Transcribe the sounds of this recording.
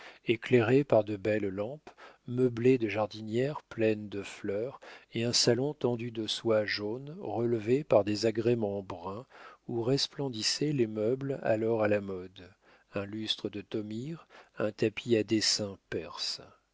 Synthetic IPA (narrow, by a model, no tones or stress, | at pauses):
ekleʁepaʁd̪əbɛllɑ̃pməbled̪əʒaʁd̪injɛʁplɛnd̪əflœʁeɛ̃salɔ̃t̪ɑ̃d̪yd̪əswaʒonʁəlvepaʁd̪ezaɡʁemɑ̃bʁɛ̃uʁɛsplɑ̃d̪isɛlemœbla̰lɔʁalamɔd̪ | ɛ̃lyst̪χəd̪ət̪ɔmiʁɛ̃t̪apʰiad̪esɛ̃pɛʁs